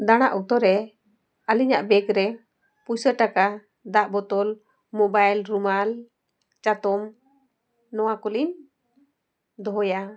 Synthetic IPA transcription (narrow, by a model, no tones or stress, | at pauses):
d̪aɽ̃aʔut̪ɔɾɛ | aliɲaʔbɛɡɾɛ | pusəʈaka | d̪aʔbɔt̪ɔl | mɔbajlɾumal | t͡ʃat̪ɔm | nɔwakɔlin | d̪ɔɦɔja